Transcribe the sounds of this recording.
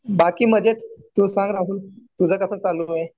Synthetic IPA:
bakiːməd͡ʑʱet͡st̪uːsãŋɡɾaɦuːlt̪ud͡zʱəːkəsəːt͡salue

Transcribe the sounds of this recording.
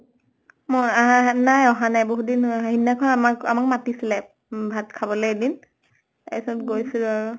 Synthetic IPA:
mɔanajɔɦanajboɦudinɦinːakʰɔnamaka̰makmatisilɛ | bʱatkʰabɔlɛjedin | a̰stɡojsilʊaɹu

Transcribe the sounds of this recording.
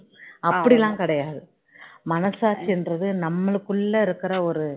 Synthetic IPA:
ɐpːɐɽilãːkɪɽɐjaːðɯ | mɐnɐsaːɾt͡ʃːɛndrɐðɯnɐmːɐɭɯkːɯɭːɐɪɾɯkːɪɾɐɔɾɯ

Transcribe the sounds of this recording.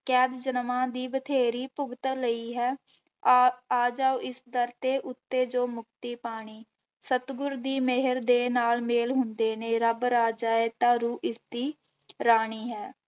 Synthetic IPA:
kɛːd̪d͡ʒənmãːd̪iːbət̪ʰeːɾiːpʊɡt̪ələiːɦɛː | aːd͡ʒaːoʔɪsd̪əɾt̪eːʔʊt̪ːeːd͡ʒoːmʊk̚t̪iːpaːɽ̃iː | sət̪ɡʊɾd̪iːmɪɦəɾd̪eːnaːlmeːlɦʊnd̪eːneːɾəbɾaːd͡ʒaːeːt̪ãːɾuːʔɪsd̪iː | ɾaːɳ̃iːɦɛː

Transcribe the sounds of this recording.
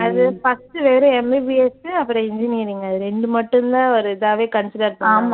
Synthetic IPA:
ɐðɯfɐstɯʋeːɾɐ̃ɛmibiɛsɯɐpːɯɾɔ̃ɪɲd͡ʒɪniːɾiŋɡɐɐðɯɾɛɳɖɯmɐʈːɯnd̪ãːɔɾɯɪðaːʋeːkɐɳsɪɖɐɾpːaːma

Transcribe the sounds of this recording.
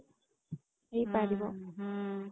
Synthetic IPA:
ejpaɾibɔ

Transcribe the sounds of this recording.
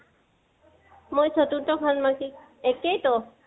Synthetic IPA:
mojsʰotuntɔkʰanmaki | ɛkejtɔ

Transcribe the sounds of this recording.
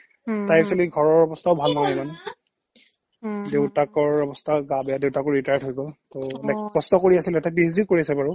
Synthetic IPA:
tajsɔliɡʱɔɹɔɹɔbɔstʰaʊbʱalnɔnamanɛ | dewtakɔɹɔbɔstʰaɡabɛadewtakɔɹɹitajatɦojɡɔltɔnɛkkɔstɔkoɹiasilɛtapisdikoɹiasɛbaɹʊ

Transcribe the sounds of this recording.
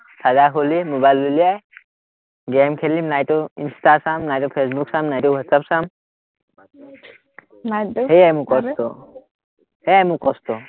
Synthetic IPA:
sʰazakʰolimobajlːuliaj | ɡemkʰelimnajʈɔḭnsʈasamnajtɔpʰesbuksamnajtɔwɔtsapsam | ɦejajmũkɔst̪ɔ | hejajmũkɔst̪ɔ

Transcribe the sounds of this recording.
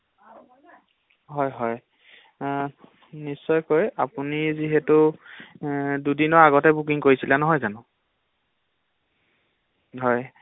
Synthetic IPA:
ɦɔjɦɔj | nisːɔjkojapuniziɦɛtu | dudinɔɹaɡɔtɛbuk̬iŋkoɹisilanɔɦɔjzanʊ̃ | ɦɔj

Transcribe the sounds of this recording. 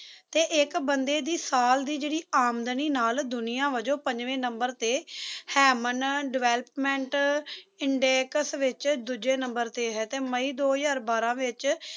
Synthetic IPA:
t̪eːʔɪkbənd̪eːd̪iːsaːld̪iːd͡ʒeːɽiːaːmd̪niːnaːld̪ʊnɪjãːʋəd͡ʒõːpəɲd͡ʒʋẽːnəmbəɾt̪eːhɛːmənɖɪʋɛːləpmɛ̃ɳʈɪɳɖeːkəsʋɪt͡ʃd̪ud͡ʒeːnəmbəɾt̪eːɦɛːt̪eːməiːd̪oːjaːɾbaːɾãːʋɪt͡ʃ

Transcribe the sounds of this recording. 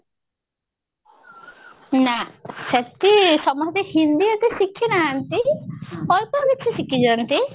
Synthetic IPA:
naset̪isɔmɔst̪ehind̪iɔt̪isikʰːinaːnt̪i | ɔɾpɔɾd̪et͡ʃʰisikid͡ʒɔnt̪i

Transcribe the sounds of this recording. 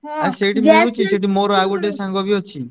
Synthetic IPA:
aseʈimoɾut͡ʃʰiseʈimoɾɔaɡuʈesãŋɡɔbiɔt͡ʃʰi

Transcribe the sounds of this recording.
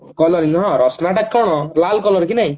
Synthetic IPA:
kɔlɔɾiŋɦɔ̃ɾɔsnaʈakkʰːɔɽ̃ɔlalkɔlɔɾkinaɦĩ

